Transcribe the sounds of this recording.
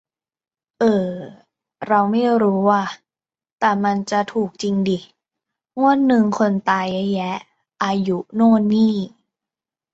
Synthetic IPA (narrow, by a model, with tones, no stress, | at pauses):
ʔɤː˧˩ | ɾa˧wma˥˩jɾuː˦˥waː˥˩ | t̪ɛː˨˩ma˧nt͡ɕa˨˩t̪ʰuː˨˩k̚t͡ɕi˧ŋdiː˧˩ | ŋu˥˩ənːɯ˧ŋkʰo˧nt̪aː˧ja˧˦jːɛ˦˥ | ʔaː˧ju˦˥nɔː˥˩niː˥˩